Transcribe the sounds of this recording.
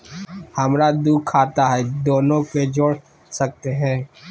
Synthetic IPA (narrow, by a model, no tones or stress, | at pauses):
hɐmɾad̪uːkʰaːt̪aɦɛd̪oːnõked͡ʒoːɽ | sɐk̚t̪eɦɛ̃ː